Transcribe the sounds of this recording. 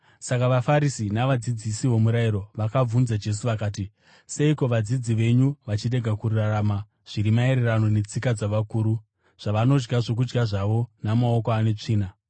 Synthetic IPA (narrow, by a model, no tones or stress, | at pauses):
sakaʋafaɾisinaʋad͡zid͡zisiʋo̞muɾaiɾo̞ʋakab͡vunzad͡ʒe̞s̬uʋakaːti | se̞iko̞ʋad͡zid͡ziʋe̞ɲuʋat͡ʃire̞ɡʱakurrarama | ʐ̥iɾimae̞ɾe̞rano̞ne̞t͡sikad͡zaʋakuːɾu | ʐ̥aʋano̞d͡ʒɡaʐo̞k̬ud͡ʒɡaʐaʋo̞namao̞koane̞t͡ʂiːna